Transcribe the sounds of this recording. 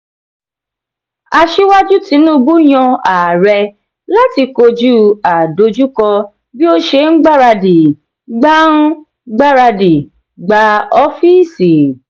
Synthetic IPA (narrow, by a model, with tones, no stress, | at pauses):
a˧ʃi˦wa˦d͡ʒu˦ti˨˧˦nũ˦˧bu˦j̃ɔ̃˧a˨ɾɛ˧ | la˦ti˧ko˧d͡ʒu˦a˨do˧d͡ʒu˦kɔ˧ | bi˦o˦ʃe˧ŋ̩˦ɡ͡ba˦ɾa˧di˨ | ɡ͡ba˦ñ̩˦ | ɡ͡ba˦ɾa˧di˨ | ɡ͡ba˧˦ɔ˦fi˦˨si˨